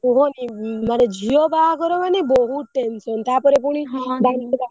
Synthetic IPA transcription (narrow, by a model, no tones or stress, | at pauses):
uɦɔnimaɾed͡ʒʱiɔbaɦakɔɾɔmanebɔɦuʈensɔnt̪apɔɾep̬uɽ̃ibanika